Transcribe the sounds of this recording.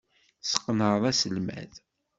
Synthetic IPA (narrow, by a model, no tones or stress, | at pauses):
sə̥qːənəðˤæsəlmæ̰ð